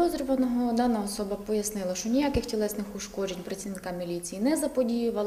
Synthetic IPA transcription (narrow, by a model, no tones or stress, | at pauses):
ɔzɾʲɔʋɐnɔɦɔd̪ɑnɐɔsɔbɐpɔjɐsnɪlˠɐʃt͡ʃɔnʲijakɪxtʲilˠɛsnɪxʊʃkɔd͡ʒenʲpɾɐt͡sʲiʋnɪkamʲilʲit͡sʲijːnɛzɐpɔdʲijʊʋɐlˠ